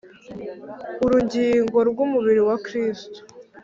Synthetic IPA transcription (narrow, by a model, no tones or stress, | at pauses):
uɾuɟiːŋɡo̞ɾɡumuβiɾiwakɾiːsto̥